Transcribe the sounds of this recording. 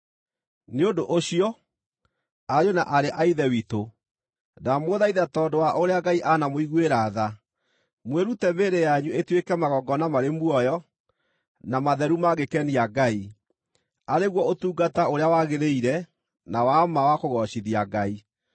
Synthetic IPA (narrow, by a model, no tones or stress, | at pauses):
neondoʔoɕiɔ | ajonaʔaɾeʔaiðɛwito | namoðaiðatɔːdowaʔoɾeaɡaiʔanamoiɣweɾaða | mweɾutɛmeɾejaɲuetwekɛmaɣɔɡɔnamaɾemwɔjɔ | namaðɛɾumaɣekɛniaɡai | aɾeɣwɔotuːɡataoɾeawaɣeɾeiɾɛ | nawamawakoɣɔɕiðiaɡai